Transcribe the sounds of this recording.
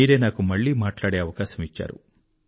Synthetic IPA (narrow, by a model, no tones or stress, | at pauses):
iːɾe̞ːnaːkumɐɭːiːmaːʈlaːɽeːɐʋɐkaːʃɐmit͡ʃːa̰ːɾṵ